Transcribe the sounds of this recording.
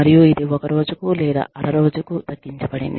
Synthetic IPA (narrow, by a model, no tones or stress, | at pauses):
ɐɾijuid̪iɔkɐɾo̞ːd͡ʒukulɛːd̪a̰ɐɾɐɾo̞ːd͡ʒukud̪ɐkːiɲt͡ʃɐbɐɽḭnd̪i